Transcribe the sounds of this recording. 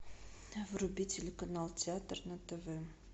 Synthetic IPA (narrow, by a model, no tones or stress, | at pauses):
vrʊbʲitʲɪlʲɪkɐnalˠtʲɪat̪rnɐt̪ɛvɛ